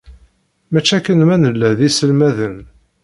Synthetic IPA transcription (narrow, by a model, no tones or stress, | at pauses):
mæt͡ʃːækːənmænəlːæðisəlmæðən